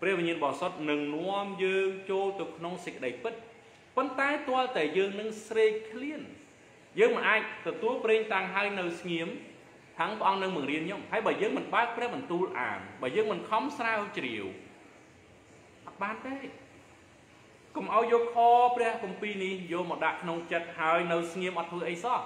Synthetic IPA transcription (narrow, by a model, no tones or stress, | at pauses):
prɛ̆əhʋiɲiənɓɑsot̪̚nɨŋnoəmjəːŋt͡ɕoːlt̪ɨwkʰnoŋsəc̚kːə̆ɗəjpɨt̪̚ | pont̪aɛt̪ŏəlt̪aɛjəːŋnɨŋsreːc̚kʰliən | jəːŋmɨnʔaːc̚t̪ɔt̪uəlpreːɲt̪aːŋɦaəjnɨwsŋiəm | h̪ʰaŋpə̆ʔɑŋnɨŋmɨŋriənɲomhaəjɓaːjəːŋmɨnɓaək̚prɛ̆əhɓɑnt̪uːlʔa̰ːmɓaəjəːŋmɨnkʰɑmsraəwt͡ɕriəw | ʔɑt̪̚ɓaːnt̪eː | komʔaɔjːɔːkʰɑːprɛ̆əhkumpiːnihjoːmɔɗaʔkʰnoŋt͡ɕət̪̚haəjnɨwsŋiəmʔɑt̪ːʰʋəːʔəjsɑh